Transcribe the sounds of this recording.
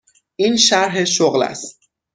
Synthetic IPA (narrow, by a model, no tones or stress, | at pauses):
ʔiːnʃæɾɦeʃoɣlæ̰st̪̚